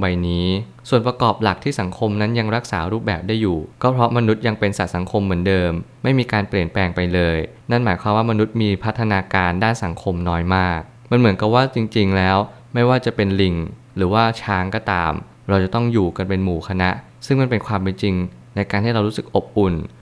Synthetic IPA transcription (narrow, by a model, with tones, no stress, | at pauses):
wa˧jniː˦˥ | su˨˩ənpɾa˧kɔː˨˩p̚la˨˩k̚t̪ʰiː˥˩sa˩˦ŋkʰo˧mna˦˥nja˧ŋɾa˦˥k̚saː˩˦ɾuː˥˩p̚bɛː˨˩p̚daː˥˩jːuː˨˩kɔː˥˩pʰɾɔ˦˥ma˧nu˦˥t̪̚ja˧ŋpe˧nsa˨˩t̪̚sa˩˦ŋkʰo˧mːɯ˩˦əndɤː˧mːa˥˩jmiː˧kaː˧npli˨˩ənplɛː˧ŋpa˧jlɤː˧j | na˥˩nmaː˩˦jkʰwaː˧mwaː˥˩ma˧nu˦˥t̪̚miː˧pʰa˦˥t̪ʰːa˧naː˧kaː˧ndaː˥˩nsa˩˦ŋkʰo˧mnɔː˦˥jmaː˥˩k̚ | ma˧nmɯ˩˦ənka˨˩p̚waː˥˩t͡ɕi˧ŋt͡ɕi˧ŋlɛː˦˥w | ma˥˩jwaː˥˩t͡ɕa˨˩pe˧nli˨˩ŋ | ɾɯː˩˦waː˥˩t͡ɕʰaː˦˥ŋkɔː˥˩t̪a̰ː˧m | ɾa˧wt͡ɕa˨˩t̪ɔ˥˩ŋjuː˨˩ka˧npe˧nmuː˨˩kʰa˧na˦˥ʔ | sɯ˥˩ŋma˥˩npe˧nkʰwaː˧mpe˧nt͡ɕi˧ŋ | na˧jkaː˧nt̪ʰiː˥˩ɾa˧wɾuː˦˥sɯ˨˩k̚ʔo˨˩p̚ʔu˨˩n